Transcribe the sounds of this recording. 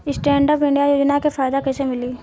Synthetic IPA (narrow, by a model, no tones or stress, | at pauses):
ɪsʈɛ̃ːɳɖəːpɪ̃ɳɖijajoːd͡ʒnakefaːjd̪akɛːsemɪliː